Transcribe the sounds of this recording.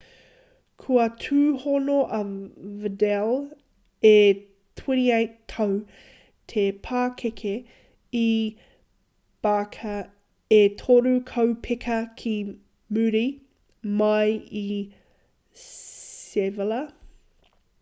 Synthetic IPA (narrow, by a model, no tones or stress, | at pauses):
kʰuɐtʰʉːhonoʔɐvədɛl | e | tʰwɛniejtʰɐw | tʰepʰaːkʰekʰe | i | b̥akʰɐ | etʰoɾʉkʰɐwpʰɪkʰɐkʰi | mʉɾi | mɐji | sevəlɐ